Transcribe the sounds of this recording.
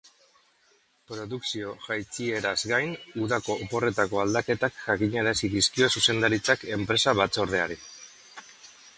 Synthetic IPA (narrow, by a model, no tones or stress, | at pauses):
pɾo̞ðuksio̞ʝajt͡sie̞ɾazɡajnuðako̞ːpo̞re̞t̪ako̞ald̪ake̞t̪akʝakiɲaɾasiðiskio̞suse̞nd̪aɾit͡sake̞mpɾe̞saβat͡so̞ɾð̞e̞aɾi